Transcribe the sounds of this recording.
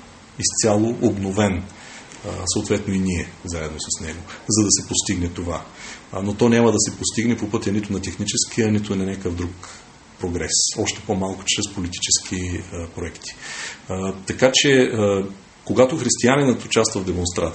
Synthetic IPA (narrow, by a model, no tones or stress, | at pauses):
ist̪sʲjalˠoʔobnovɛn | səot̪vɛt̪noiniɛvzaɛd̪nosɐsnɛɡozɐd̪ɐsɛpost̪iɡnɛt̪ova̰not̪ɔnʲamɐd̪ɐsɛpost̪iɡnɛpopɤt̪ʲɐnit̪ʊnɐt̪ɛxnit͡ʃɛskiɐnit̪ʊnɐnʲakəvd̪ɾuk | pɾoɡɾɛsɔʃt̪ɛ̥pomalˠkʊ̥t͡ʃɾɛspolit̪i̥t͡ʃɛsk̟ʰipɾoɛkt̪i̥ | t̪ɐkat͡ʃɛə | koɡat̪ʊxɾist̪ianinət̪ʊt͡ʃast̪vəvd̪ɛmonst̪ɾat̪